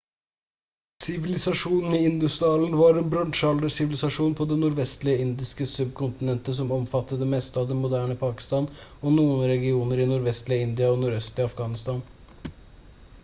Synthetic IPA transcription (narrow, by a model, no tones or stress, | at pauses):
sɪʋɪlɪsɑʂuːnn̩ɪɪnd̪ʉst̪ɪɑːln̩ʋɑɾeːnbɾɑnʂɑld̪əsɪʋɪlɪsɑʂuːnpʰɔd̪ɛnʊɾʋɛst̪lɪəɪnd̪ɪskəsʉb̚kʰʊnt̪ɪnɛnt̪əsɔmɔmfɑt̪ːəd̪ɛmɛst̪əɑʋd̪ɛnmʊd̪æːɳəpʰɑːkɪ̥st̪ɑːnɔnuːənəɾɛɡɪuːnəɾɪnʊɾʋɛst̪lɪəɪnd̪ɪɑɔnʊɾœst̪ɪɑfɡɑːnɪst̪ɑːn